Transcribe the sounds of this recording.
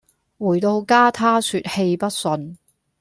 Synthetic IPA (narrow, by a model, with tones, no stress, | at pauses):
wuː˨˩jt̪o˧wkaː˥t̪ʰaː˥syː˨˧t̚he˧jpɐ˥t̚sɵ˧n